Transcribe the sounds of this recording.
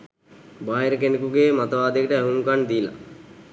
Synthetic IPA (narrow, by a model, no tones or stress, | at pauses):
baːɦeɾəkenikuɡeːmat̪əʋaːd̪ekəʈəæɦunukand̪iːla̰